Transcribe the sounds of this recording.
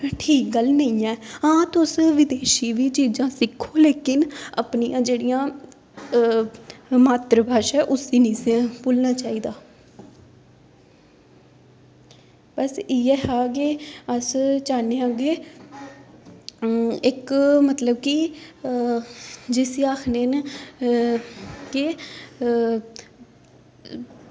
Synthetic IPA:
ʈʰiːk̚ɡəlnəĩːɛːãːt̪ʊsʋɪd̪eːʃiːʋiːt͡ʃiːzãːsɪkʰːoːleːkɪnə̰pnijãːd͡ʒeːɽijãː | maːt̪ɾəbʱaːʃɛːʔʊsiːnĩːsepuːlnaːt͡ʃaːiːd̪aː | pəsiːɛːɦaːkeəst͡ʃaːneãːɡeː | ɪkmət̪ləbki | d͡ʒɪsiaːkʰnen | ke

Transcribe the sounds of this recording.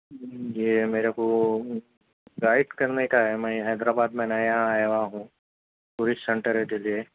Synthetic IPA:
jemeːɾeko | ɡaːɪɖkɐɾnekaɦɛmɛ̃ɦɛːd̪ɾaːbaːd̪mẽnajaɦãaːjaʋaɦũː | t̪ʊɾɪssɛ̃ɳʈəɾɦɛkelie

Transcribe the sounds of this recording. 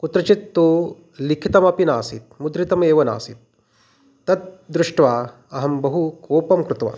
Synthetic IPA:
kut̪ɾɐt͡ʃit̪ːu | likʰit̪ɐmɐpinaːsit̪̚mud̪ɾit̪ɐmeːʋɐna̰ːsit̪̚ː | ɐt̪̚d̪ɾuʂʈʋaː | ɐɦɐmbɐɦukoːpɐmkɾut̪ʋa̰ː

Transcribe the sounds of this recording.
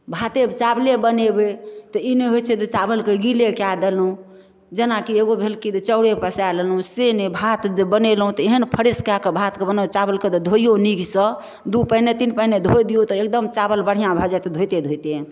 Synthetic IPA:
bʱat̪ebt͡ʃablebənebet̪ɔineɦojt͡ʃʰɛt̪ɔt͡ʃabəlkeɡilekjad̪elũ | d͡ʒenakieɡobʱelkit̪t͡ʃəʊɽepəsalelũsenebʱat̪d͡ʒbənelɦũt̪ɔeɦənpʰəɾeskakebʱat̪kebənat͡ʃabəlked̪ɔd̪ʱojoniɡsə | d̪upəinet̪inpəined̪ʱojd̪ijot̪ɔek̚d̪əmt͡ʃabəlbəɽ̤ijãbʱɔd͡ʒat̪d̪ʱojt̪ed̪ʱojt̪e

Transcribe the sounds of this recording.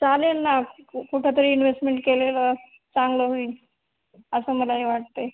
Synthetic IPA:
t͡salenːakuʈʰjat̪əɾiːinʋesʈmeɳʈ̚kelelə | t͡saŋɡləɦoiː | əsəːməlaɦiʋaʈ̚t̪e

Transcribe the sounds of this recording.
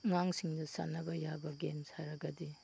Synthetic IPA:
ŋaŋsiŋdɐsa̰nɐbɐjabɐɡensaɾɐɡɐdi

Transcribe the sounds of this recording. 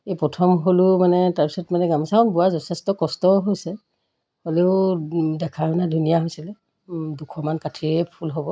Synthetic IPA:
ejpɹɔtʰɔmɦolʊmanɛtaɹpisɔtmanɛɡamɔsakʰɔnbuwazɔtʰɛstɔkɔstɔɦojsɛ | holeʊdɛkʰajnadʱunijaɦojsilɛ | dukʰɔmankatʰiɛpʰulɦobɔ

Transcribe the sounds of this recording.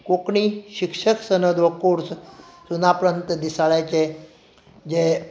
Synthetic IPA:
kokɳiɕikʂəksənəd̪ʋəkuɾs | sunapɾənt̪əd̪isaɭjat͡ɕe | d͡ʑe

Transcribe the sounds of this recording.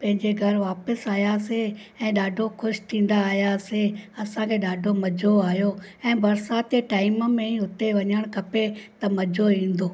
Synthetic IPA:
pɐ̃ɦɪ̃ɲd͡ʑeɡʱɐɾʋaːpəsaːɦjase | ɛ̃ːɗaːɖʱoxʰʊʃt̪ʰĩːn̆d̪aːɦijaseɐsãkʰeːɗaːɖʱomɐd͡ʑʱoaːɦjoɛ̃ːbɐɾsaːt̪eʈaːɪməmẽĩʊt̪eʋɐɲəɽ̃kʰɐpet̪ɐmɐd͡ʑʱoĩːn̆d̪oː

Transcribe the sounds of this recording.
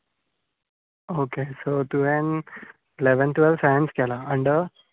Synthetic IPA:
oːkesot̪uʋẽn | leʋə̃nt̪ʋɛlʋsajə̃nskelaə̃ɳɖ

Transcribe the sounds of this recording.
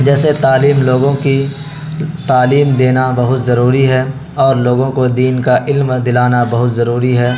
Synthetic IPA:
d͡ʒɛːset̪aːliːmloːɡõki | t̪aːliːmd̪eːnabɐɦʊt̪zɐɾuːɾiɦɛː | ɔːɾloːɡõkod̪iːnkaʔɪlmd̪ɪlaːnabɐɦʊt̪zɐɾuːɾiɦɛː

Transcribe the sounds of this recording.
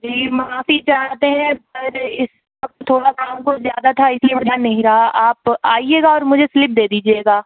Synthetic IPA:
d͡ʒiːmaaːfit͡ʃaːt̪eɦɛ̃pɐɾɪs | ʋʋɐk̚t̪t̪ʰoːɽakaːmkozjaːd̪at̪ʰaɪsliebɐɾd̪jaːnnːɐɦĩɾɐɦaʔaːpaːieːɡaɔːɾmʊd͡ʒʱeslɪp̚d̪eːd̪iːd͡ʒieːɡaː

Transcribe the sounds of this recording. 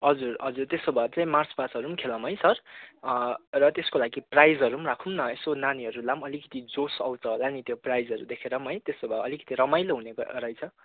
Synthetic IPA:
ɦʌd͡zurɦʌd͡zurt̪esobʱat͡saĩmart͡spasʌɾumkʰelʌmɦʌjsʌr | rʌt̪eskolaɡiprajd͡zʌɾumrakʰumnʌesonaniɦʌɾulamʌlikʌ̥t̪id͡zosʌwt͡sʰʌolanit̪joprajd͡zʌɾṵd̪ekʰeɾʌmɦʌjt̪esobʱaʌlikʌ̥t̪iɾʌmajloɦunekɾʌjt͡sʰʌ

